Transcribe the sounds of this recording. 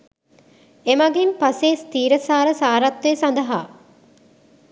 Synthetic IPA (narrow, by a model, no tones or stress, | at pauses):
emaɡimpaseːst̪iːɾəsaːɾəsaːɾat̪weːsand̪əɦa̰ː